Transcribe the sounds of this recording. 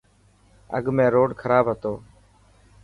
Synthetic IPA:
ə̰ɡmẽːɾoːɖkʰəɾaːbɦət̪oː

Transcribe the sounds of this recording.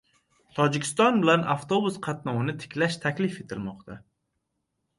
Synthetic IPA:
t̪ʰɒd͡ʒɪkʲɪ̥st̪ɒnbɪlanʔaft̪obusqʰɑt̪nɒwɪnɪt̪ʰɪ̥kʲlaʃt̪ʰakʲlɪfe̞t̪ʰɪlmɒqt̪ʰa

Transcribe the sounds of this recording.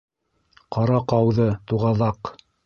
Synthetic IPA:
qɑɾɑqɑwðɤt̪uʁɑðɑq

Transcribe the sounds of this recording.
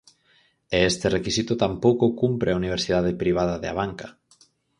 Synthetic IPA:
eest̪erekisit̪ʊt̪ampowkokumpɾeauniβ̞eɾsiðaðepɾiβaðaðea̰βaŋkḁ

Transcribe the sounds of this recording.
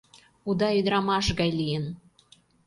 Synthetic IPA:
ud̪ɑyd̪ɾɑmɑʃɣɑjlijən

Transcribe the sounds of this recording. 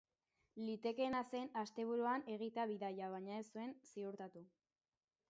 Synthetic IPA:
lit̪e̞ke̞nase̞nast̪e̞β̞uɾuane̞ɣ̞it̪eaβiðajaβaɲae̞sue̞nsiuɾt̪at̪u

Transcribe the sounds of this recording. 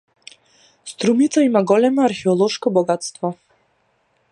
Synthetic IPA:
st̪ɾumit̪saimaɡɔlɛmɔaɾxɛɔlˠɔʃkɔbɔɡat̪st̪vɔ

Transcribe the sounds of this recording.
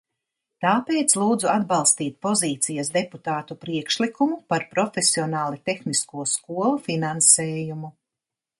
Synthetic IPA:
t̪aːpeːt̪slˠuːd̪zuad̪balˠst̪iːt̪̚pɔziːt̪sijɐsd̪eput̪aːt̪upɾiɛkʃlikumupaɾpɾɔfesiɔnaːlˠit̪exniskuɔskuɔlˠufinansɛːjumu

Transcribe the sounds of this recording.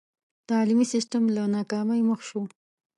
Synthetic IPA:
t̪ɑlimisɪsʈamlanɑkɑmajməxʃo

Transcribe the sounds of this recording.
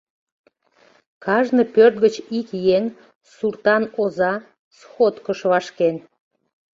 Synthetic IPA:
kɑʒnəpørt̪̚ɡət͡ɕikjeŋ | surt̪ɑnozɑ | sxot̪kəʃβɑʃken

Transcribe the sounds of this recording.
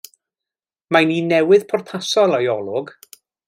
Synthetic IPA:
maninɛwɨðpʰɔrpʰasɔlˠajɔlˠʊɡ

